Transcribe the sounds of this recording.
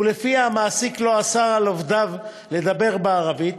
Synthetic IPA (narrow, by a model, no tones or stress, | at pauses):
ulefiamaːsiklo̞asaʁalovd̪av | le̞d̪abe̞ʁbeaʁavit